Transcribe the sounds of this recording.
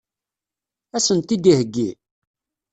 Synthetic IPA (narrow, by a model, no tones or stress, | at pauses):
æsənt̪id̪ihəɡːi